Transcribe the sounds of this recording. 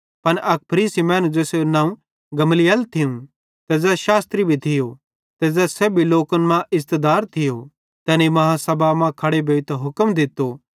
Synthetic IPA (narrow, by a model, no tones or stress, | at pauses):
pɐnʔɐk̚pʰɐɾiːsimɛ̃ːnũd͡ʒɛːsenãːũ | ɡɐmlijəlt̪ʰɪũ | t̪ɛzɛʃaːst̪ɾibʱit̪ʰɪjo | t̪ɛzɛːsɛbʱiloːkənmãʔɪst̪əd̪aːɾt̪ʰɪjo | t̪ɛːnimɐɦãsɐbʱamãkʰɐɽebʱeːʋɪt̪ɐɦʊkəmd̪ɪt̪ːoː